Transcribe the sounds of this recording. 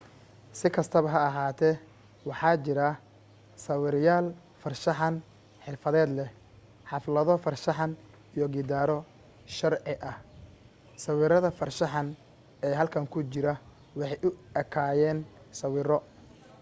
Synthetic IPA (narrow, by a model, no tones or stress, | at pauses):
sɪkʰɐst̪ʰɐβɐɦɐːɦaːt̪ʰɛ | wɑħɑːt͡ʃɪɾɐ | sɐwɪɾjaːl | fɐrʃɑħɑn | ħɪrfɐðɛːd̪lɛ | ħɑflɐðɔfɐrʃɑħɑn | ijɔɡɪd̪aːɾɔ | ʃɐrʕɪʔɐh | sɐwɪɾɐðɐfɐrʃɑħɑn | ɛːɦɐlkʰɐŋkʰʊt͡ʃɪɾɐ | wɑħɑjʔʊɐkʰaːjɛːn | sɐwɪːɾɔ